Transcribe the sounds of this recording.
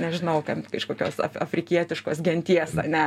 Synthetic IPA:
nʲɛʒʲɪnɐʊkɐmkɐʃkoːkʲoːsɐ̰fɐfʲɾʲɪkʲiɛt̪ʲɪʃkoːsɡʲɛnʲt̪ʲiɛsɐ̰nʲɛ

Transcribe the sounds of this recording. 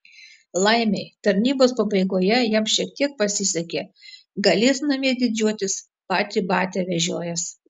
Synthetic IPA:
lˠɐɪmʲɛɪt̪ɐɾʲnʲiːboːspɐbɐɪɡoːjɛjɛmʃʲiɛk̚t̪ʲiɛk̚pɐsʲɪsʲɛkʲeː | ɡɐlʲeːsnɐmʲiɛd̪ʲɪd͡ʒʲuɔt̪ʲɪs | pɑːt̪ʲibɑːt̪ʲɛːʋʲɛʒʲoːjɛs

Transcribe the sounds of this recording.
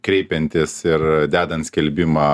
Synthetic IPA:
kɾʲɛɪpʲɛnʲt̪ʲɪsɪɾd̪ʲæːd̪ɐnt̪sʲkʲɛlʲbʲɪmɑː

